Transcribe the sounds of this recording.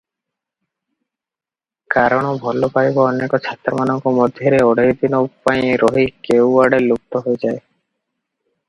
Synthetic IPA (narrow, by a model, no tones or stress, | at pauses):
kaɾɔɽ̃ɔbʱɔlopajbaɔnekɔt͡ʃʰat̪ɾɔmanɔŋkɔmɔd̪ʱjɔɾeɔɽed̪inopaĩɾoɦikewaɽeluk̚t̪ɔɦoed͡ʒae